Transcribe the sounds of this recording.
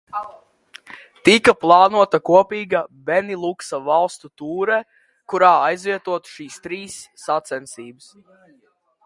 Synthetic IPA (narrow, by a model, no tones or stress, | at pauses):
t̪ikaplˠɑːnuɔt̪akuɔpiːɡabenilˠuksavalˠst̪ut̪uːɾɛ | kuɾaːajzviɛt̪uɔt̪u̥ʃiːst̪ɾiːsːat̪sɛnsiːbɨs